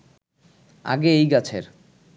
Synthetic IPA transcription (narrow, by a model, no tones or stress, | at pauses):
a̰ɡeejɡat͡ɕʰeɾ